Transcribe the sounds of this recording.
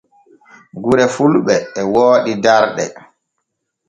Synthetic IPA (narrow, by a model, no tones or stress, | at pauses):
ɡuɾɛfulɓɛːwoːɗidaɾɗɛ̰